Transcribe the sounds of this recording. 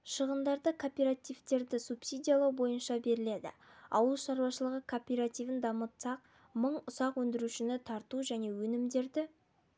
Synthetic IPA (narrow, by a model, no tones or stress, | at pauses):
ʃəʁənd̪ɑɾd̪əkʰo̞pʲeɾat̪ijvt̪e̞ɾd̪ɪsupsijd̪ʲijalˠɑwbo̞jənʃɑbe̞ɾɪle̞d̪ɪ̰ɑ̰wəlˠʃɑɾuwɑʃəlˠəʁəkʰo̞pʲeɾat̪ijvənd̪ɑmət̪sɑq̚ | məɴʊsɑqwɵnd̪ɪɾuʃɪnɪt̪ʰɑɾt̪uʒæne̞wɵnɪmd̪e̞ɾd̪ɪ